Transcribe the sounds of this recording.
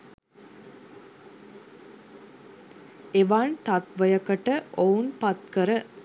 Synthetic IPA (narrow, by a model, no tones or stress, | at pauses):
eʋaːnt̪ɐt̪ʋɐjɐkɐʈəʔounpɐt̪kəɾə